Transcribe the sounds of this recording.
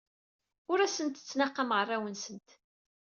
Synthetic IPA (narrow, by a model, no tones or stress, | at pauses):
ʊɾæsənt̪ə̥t͡sːnɑqːɑmʁrˤːawənsənt̪